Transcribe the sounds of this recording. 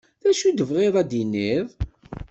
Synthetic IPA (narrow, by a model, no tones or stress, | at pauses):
ðæʃud̪əvʁeðˤæd̪inːiðˤ